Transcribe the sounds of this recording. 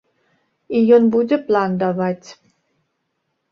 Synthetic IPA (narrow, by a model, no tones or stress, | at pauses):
ijonbud̪ʲepland̪avatʲ